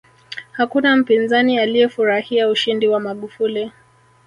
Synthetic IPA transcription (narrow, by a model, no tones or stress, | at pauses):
hakunam̩pinzanialijɛfuɾahiauʃindiwamaɠufuli